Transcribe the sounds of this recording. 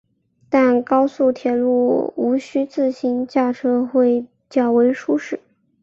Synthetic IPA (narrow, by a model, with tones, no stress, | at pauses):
t̪a˥˧nkɑ˥ʊsu˥˩t̪ʰjɛ˨˩lu˥˩u˧˥ɕy˥t͡sɹ̩˥˩ɕi˧˥nt͡ɕja˥˩ʈ͡ʂʰɤ˥xwe˥˧ɪ | t͡ɕjɑ˥˩ʊwe˧˥ɪʂu˥ʂɻ̩˥˩